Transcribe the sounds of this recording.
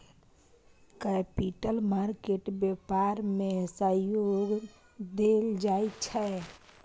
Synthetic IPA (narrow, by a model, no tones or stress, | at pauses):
kɛpiʈəlmaɾkeʈbepaɾmesəjoɡ | d̪eld͡ʒaet͡ʃʰɛ